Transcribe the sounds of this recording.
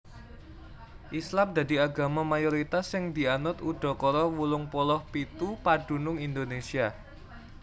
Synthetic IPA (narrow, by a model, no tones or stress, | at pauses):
ʔislamd̪ä̤d̪i̤aɡa̤mamajoɾit̪asːɪŋd̪̥ianʊt̪uɖ̪̥ɔ̤kɔɾɔwulʊŋpɔlɔhpit̪upaɖ̥ṳnʊŋind̪onesia